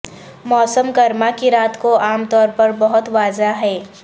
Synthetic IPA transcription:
mɔːsəmɡɐɾmakiɾaːt̪koaːmt̪ɔːɾpɐɾbɐɦʊt̪ʋaːzaɦɛː

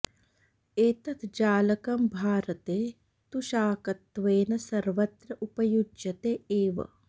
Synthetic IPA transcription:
eːt̪ɐt̪ʰd͡ʒaːlɐkɐmbʱaːɾɐt̪eː | t̪uʃaːkɐt̪ːʋeːnɐsɐɾʋɐt̪ɾɐʔupɐjud͡ʒjɐt̪eːeːʋɐ̰

